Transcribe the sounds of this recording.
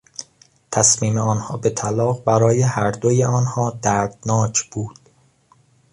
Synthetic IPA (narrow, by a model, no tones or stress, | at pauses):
t̪ʰæsmiːmeɒːnhɒːbe̞t̪ʰælɒːɣbæɾɒːjehæɾd̪ojeɒːnhɒːd̪æɾd̪̥nɒːcʰb̥uːd̪̥